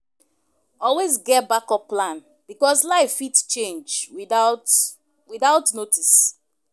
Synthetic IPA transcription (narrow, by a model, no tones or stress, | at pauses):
ɔlwezɡɛt̚bakɔplãn | bikɔslaɪfitt͡ʃẽnd͡ʒwiat | wiðaʊtnotis